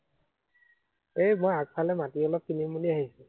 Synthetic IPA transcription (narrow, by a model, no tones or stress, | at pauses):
ejmojak̚pʰalɛmatiɔlɔp̚kinimuliaɦisʊ̃